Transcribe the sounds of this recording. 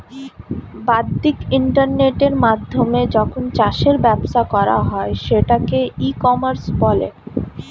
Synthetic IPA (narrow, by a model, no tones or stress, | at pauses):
bad̪ːikiɳʈaɾneʈeɾmad̪ʱːomed͡ʑɔkʰont͡ɕaʃeɾbɛbʃakɔɾa̰ɦɔeʃeʈakeikɔmaɾsbɔlḛ